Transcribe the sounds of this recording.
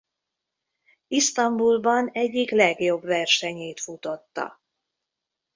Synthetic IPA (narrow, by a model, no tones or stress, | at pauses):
ist̪ɒmbulbɒnɛɟːiklɛɡjo̞bvɛrʃɛɲeːt̪fut̪o̞t̪ːɒ̰